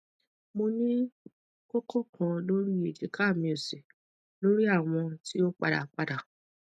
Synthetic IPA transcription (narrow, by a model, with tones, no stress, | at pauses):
mo˧nĩ˦ | ko˦kʰo˦kʰã˧lo˦ɾi˦e˨d͡ʒe˨kʰa˦˨mĩ˧˨o˨se˨ | lo˦ɾi˦a˦˨w̃ɔ̃˧ti˦o˦k͡pa˧ɾa̰˨k͡pa˧da˨